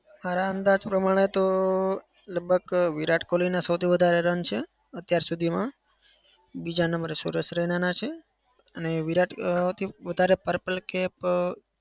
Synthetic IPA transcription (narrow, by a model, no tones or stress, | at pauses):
maɾaənd̪ad͡ʒpɾəmaɽ̃et̪o | ləɡ̚bʱəɡʋiɾaʈkolinasəwt̪ʰiʋəd̪ʱaɾeɾənt͡ʃʰe | ət̪jaɾsud̪ʱimã | bid͡ʒanəmbəɾesṵɾəʃɾɛnanat͡ʃʰe | əneʋiɾaʈt̪ʰiʋəd̪ʱaɾepəɾpəlkɛp